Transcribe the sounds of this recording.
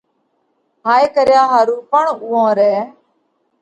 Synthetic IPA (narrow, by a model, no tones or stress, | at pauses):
ɦaːeːkəɾjaːɦaːɾuːpəɳuːõːɾɛː